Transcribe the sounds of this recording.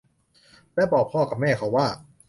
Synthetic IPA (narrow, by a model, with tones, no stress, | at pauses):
lɛː˦˥˩bɔː˨˩k̚pʰːɔː˥˩ka˨˩p̚mɛː˥˩kʰa˦˥wːaː˥˩